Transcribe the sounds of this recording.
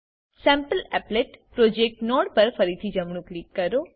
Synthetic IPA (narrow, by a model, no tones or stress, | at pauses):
sɛ̃mpəlɛpleʈpɾod͡ʒek̚ʈnɔɽpəɾfəɾit̪ʰid͡ʒəmɳũklikkəɾo